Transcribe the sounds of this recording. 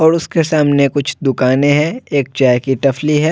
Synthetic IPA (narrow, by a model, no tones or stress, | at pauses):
ɔːɾʊskesaːmnekʊt͡ʃʰd̪ʊkaːnẽɦɛ̃eːk̚t͡ʃaːjkiʈɐfliɦɛː